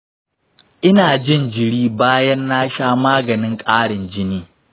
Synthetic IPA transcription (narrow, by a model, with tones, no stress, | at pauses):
ʔɪ˦naː˨d͡ʒɪ˦˨nd͡ʒɪ˨ɽiː˦baː˦jɐ˦nːa˦ʃaː˦maː˦ɡɐ˨nɪ˦ŋkʼaː˦ɽɪ˨nd͡ʒɪ˦niː˦